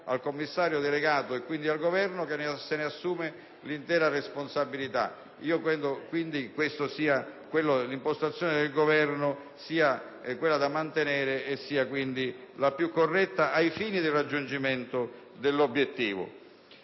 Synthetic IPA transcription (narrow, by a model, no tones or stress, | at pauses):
a̰lkomːisːaːɾjod̪eleɡaːt̪ʊekːwind̪ialɡovɛrnʊkensenɪasːuːmɪ | lint̪ɛːɾaresponsabilit̪a̰ | iːokɾɛnd̪okwind̪ikwest̪ʊsiːakwelːolimpost̪at̪sjoːnɪd̪elɡovɛrnʊ | siːa | kwelːad̪amːant̪enɛːɾeesːiːakwind̪ilapjukːorːɛt̪ːaʔajfiːnid̪ɪrad͡ʒːund͡ʒiment̪ʊ | d̪elːobːjet̪ːiːvʊ̰